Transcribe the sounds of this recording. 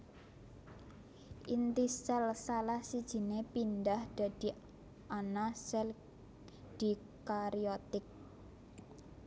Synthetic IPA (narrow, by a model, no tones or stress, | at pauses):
ʔint̪isɛlsalahsid̥ʒ̥i̤nepinɖahd̪̥a̤d̪̥i̤ | ʔanasɛl | d̪̥i̤ | kaɾiɔt̪ɪk̚